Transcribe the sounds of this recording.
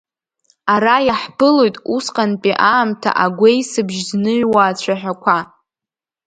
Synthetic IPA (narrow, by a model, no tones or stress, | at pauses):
aɾajaħbɨlojtʼusqʼanpʼiʔaːmtʰa̰ʔaɡʷejsɨbʒznɨʕwaːt͡ɕʷʰaħʷᶣakʷʰa